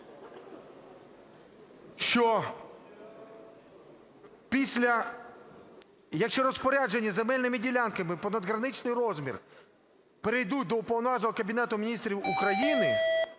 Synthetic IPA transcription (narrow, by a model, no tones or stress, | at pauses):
ʃt͡ʃɔ | pʲisʲlʲɐ | jɐkʃt͡ʃɔɾɔspɔɾʲad͡ʒenʲːɐzemɛlʲnɪmɪdʲilʲankɐmɪpɔnɐd̪ɦɾɐnɪt͡ʃnɪjrɔzmʲḭr | peɾejd̪ut̚ʲd̪ɔʊpɔwnɔʋɑʒnɔɦɔkɐbʲinɛt̪ʊmʲinʲist̪ɾʲiwukɾɐjinɪ